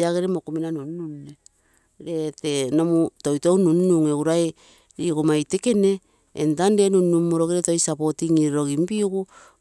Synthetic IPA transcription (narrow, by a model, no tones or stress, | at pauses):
aɡeɾemokuminanunnunne | ɾetenomutojtownunnuŋewɾae | ɾikomajteke̞ne̞̰ː | ntandenunːumːoɾoɡiɾetojsapo̞tiŋiɾeɾo̞ɡimpiɡu